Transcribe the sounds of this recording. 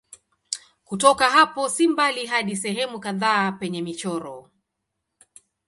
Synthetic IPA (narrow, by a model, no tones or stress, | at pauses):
kutɔkaɦapɔsimbaliɦaɗisɛɦɛmukaðaːpɛɲɛmit͡ʃɔɾɔ